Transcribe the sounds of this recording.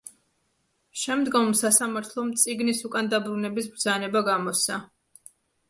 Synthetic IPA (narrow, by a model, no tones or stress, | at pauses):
ʃɛmd̪ɡɔmsasamaɾt̪ʰlˠɔmt̪sʼiɡnisukʼand̪abɾunɛbisbɾd̪zanɛbaɡamɔsa